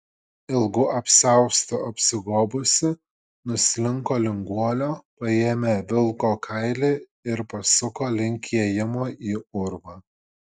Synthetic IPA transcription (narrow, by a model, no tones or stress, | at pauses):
ɪlˠɡʊʔɐpʲsʲɛˑʊst̪ʊɐpʲsʲɪɡoːbʊsʲɪ | nʊsʲlʲɪŋkoːlʲɪŋɡuɔlʲoːpɐeːmʲeːʋʲɪlˠkoːkʰɐɪlʲeː | ɪɾpɐsʊkoːlʲɪŋʲkʲʰiɛjɪmoːiːʊɾʋɑː